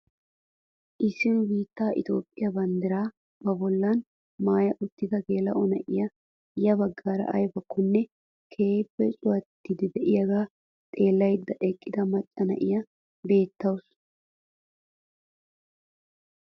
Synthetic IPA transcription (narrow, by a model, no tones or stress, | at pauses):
ʔɪsːɪnʊbiːt̪ːaːʔɪ̰t̪o̞ːpʼːɪjɐbɐnd̪ɪɾaː | bɐbɔlːɐn | maːjɐʔʊt̪ːɪd̪ɐɡe̞ːlɐ̰ʔɔnɐʔɪjɐ | jɐbɐɡːaːɾɐ̰ʔɐ̰jbɐkːʊnːɛ | kʰe̞ːpːɛsʼʊwɐt̪ːɪd̪ɪd̪ɛʔɪjɐɡaː | t̪ʼe̞ːlːɐjd̪ːɐʔɛkʼːɪd̪ɐmɐt͡ʃʼːɐnɐ̰ʔɪjɐ | be̞ːt̪ːɐws